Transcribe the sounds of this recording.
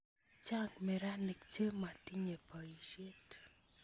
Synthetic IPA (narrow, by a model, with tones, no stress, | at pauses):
t͡ʃa˦ŋɡmɛ˨ɾa˦ne˨kt͡ʃe˦ma˨ti˦ɲe˨pɔ˨i˨ʃe˦t